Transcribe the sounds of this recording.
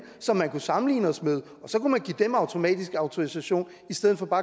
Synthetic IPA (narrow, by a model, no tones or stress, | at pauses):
sɒ̽mːænkusɑ̈mn̩lḭːnəɒsmeð̞ˠ | ɒ̽sɒ̽kumænɡ̥ḭːd̥emɑ̈ʊt͡sʰo̝mɛ̰ːd̥isɡ̥ɑ̈ʊt͡sʰo̝isæɕo̝̰ːn | isd̥eðˠn̩fɒ̽b̥ɑ̈ː